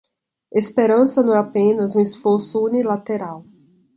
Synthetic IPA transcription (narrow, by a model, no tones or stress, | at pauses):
espeɾɐ̃sɐnɐ̃w̃ɛapẽnɐzũesfoɾsʊunilat̪eɾaw